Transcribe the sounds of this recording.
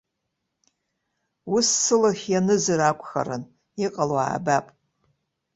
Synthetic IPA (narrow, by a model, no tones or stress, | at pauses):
ʊsːɨlaχʲjanɨzɨrakʷʼxa̰ɾɨn | iqʼalwa̰ːbapʼ